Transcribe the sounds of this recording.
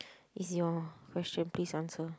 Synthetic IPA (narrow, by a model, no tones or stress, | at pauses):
isjɔ̃kʰwɛst͡ʃə̃npliːsãnsə